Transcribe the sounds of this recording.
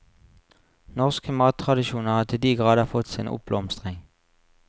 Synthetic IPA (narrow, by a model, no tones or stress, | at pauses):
nɔʁskəmɑːt̪ʰʁɑd̪ɪʃuːnəʁhɑːt̪ʰɪld̪iːɡʁɑːd̪əfɔt̪sḭːnʔʊ̰p̚b̥lɔmst̪ʁɪŋ